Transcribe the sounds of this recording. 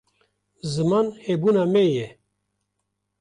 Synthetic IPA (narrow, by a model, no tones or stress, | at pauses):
zɨmaːnhebuːnaːmɛjɛ